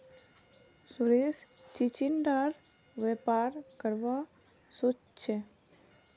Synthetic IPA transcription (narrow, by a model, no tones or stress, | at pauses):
sʊɾes | t͡ʃit͡ʃinɖaːɾ | ʋepaːɾkəɾʋa | sot͡ʃt͡ʃʰe